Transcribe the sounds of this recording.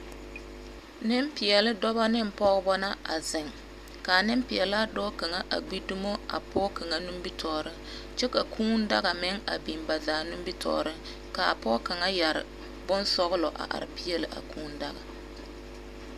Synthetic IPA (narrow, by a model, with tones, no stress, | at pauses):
nɪ˦mpɪ˨jɛ˨lɪ˦dɔ˦ba˦nɪ˦m˨pɔ˦ɣbɔ˦na˦a̰˨zɪ˨ŋ | ka˨nɪ˦mpɪ˨ɛ˨la˦dɔ˦ka˨ŋa˦ʔa˨ɡ͡bi˦du˦mo˦a̰˨pʰɔː˦ka˨ŋa˦nu˦mbi˦tʰɔː˨ɾɪ˦ŋ | t͡ʃɛ˦ka˨kʰuː˦n˦da˦ɣa˨mɪ˦ŋa̰˨bi˨mba˨zaː˨nu˦m˦bi˦tʰɔ̰ː˨ɾɪ˦ŋ | ka˨pɔ˦ka˨ŋa˦ja˨ɾɪ̰˨ | bʊ˦nsɔ˦ɣʊ˦lɔ˨ʔa̰˨ʔa̰˨ɾɪ˨pi˦jɛ˦lɪ˨ʔa̰˨kʰuː˦n̩˦da˦ɣa̰˨